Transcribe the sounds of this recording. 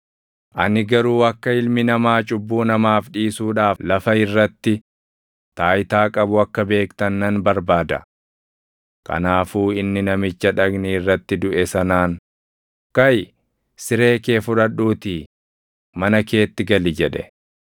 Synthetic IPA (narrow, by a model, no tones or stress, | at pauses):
ʔɐ̰nɪɡɐɾuːɐkːɐɪlmɪnɐmaːt͡ʃʼʊbːuːnɐmaːfᶑiːsuːᶑaːflɐfɐɪrːɐt̪ːɪ | t̪aːjt̪aːkʼɐbʊɐkːɐbe̞ːkt̪ɐnːɐnbɐɾbaːd̪ɐ̰ | kʰɐ̰naːfuːɪnːɪnɐmɪt͡ʃːɐᶑɐɡniɪrːɐt̪ːɪd̪ʊʔɛsɐnaːn | kɐj | sɪɾe̞ːke̞ːfʊᶑɐɗuːt̪iː | mɐnɐke̞ːt̪ːɪɡɐlɪd͡ʒɛᶑɛ